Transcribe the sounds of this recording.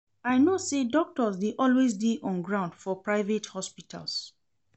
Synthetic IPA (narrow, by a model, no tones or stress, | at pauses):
aɪnosedɔk̚tɔsdeʔɔlwezdiʔɔ̃nɡɹãʊ̃ndfɔpɹaɪvethɔspitʰa̰ls